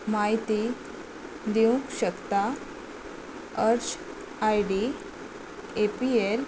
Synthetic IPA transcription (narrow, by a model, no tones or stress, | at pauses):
maɦit̪i | d̪iũkɕəkt̪a | əɾt͡ɕ | ajɖi | epiel